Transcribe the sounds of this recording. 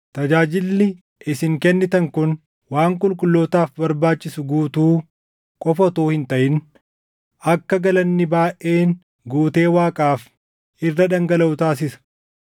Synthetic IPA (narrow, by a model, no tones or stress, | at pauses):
t̪ɐd͡ʒaːd͡ʒɪlːɪ | ɪsɪŋkɛnːɪt̪ɐŋkʊn | waːŋkʼʊlkʼʊlːoːt̪aːfbɐɾbaːt͡ʃːɪsʊɡuːt̪uː | kʼɔfɔt̪oːhɪnt̪ɐʔɪn | ɐkːɐɡɐlɐnːɪbaːʔʔe̞ːn | ɡuːt̪e̞ːwaːkʼaːf | ɪrːɐᶑɐŋɡɐlɐʊt̪aːs̬ɪsɐ̥